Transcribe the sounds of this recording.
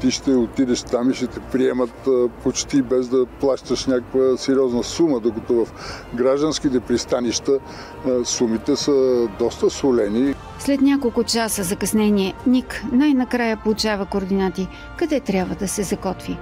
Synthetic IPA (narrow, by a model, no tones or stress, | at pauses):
t̪iʃt̪ɛot̪id̪ɛʃt̪amiʃt̪ɛt̪ɛpɾiɛmət̪pot͡ʃt̪ibɛzd̪ɐplˠaʃt̪əʃnʲakəkvəsɛɾiɔznəsuməd̪okɐt̪ovɐfɡɾaʒd̪ənsk̟it̪ɛpɾist̪aniʃt̪ə | sumit̪ɛsəd̪ɔst̪əsvolɛni | slɛt̪nʲakolˠkʊt͡ʃasəzɐkɐsnɛniɛniknajnɐkɾajəpolˠʊt͡ʃavəkoːɾd̪inat̪i | kɐd̪ɛt̪ɾʲabvəd̪ɐsɛzɐkɔt̪vi